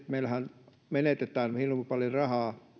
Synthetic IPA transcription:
t̪meilhæn | menet̪et̪æːnhilːompɑljorɑhɑː

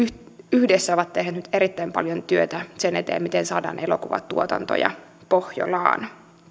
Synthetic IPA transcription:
yhdesːæoʋɑt̪ːehnæeːt̪nyt̪eɾit̪ːæimpɑ̰ljont̪yøt̪æsenet̪ḛːmit̪ensɑːdɑ̰ːnʔelokuʋɑ̰t̪uot̪ɑnt̪o̰jɑ̰pohjo̰lɑ̰ːn

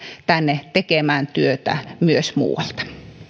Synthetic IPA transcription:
t̪ænːet̪ekemæːnt̪yøt̪æ̰myøsmṵːwɑlt̪ɑ̥

